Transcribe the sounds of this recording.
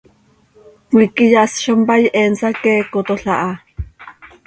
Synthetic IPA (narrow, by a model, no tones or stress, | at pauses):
wikijaʔsʃompajʔɛnsakɛːkot̪oɬaʔa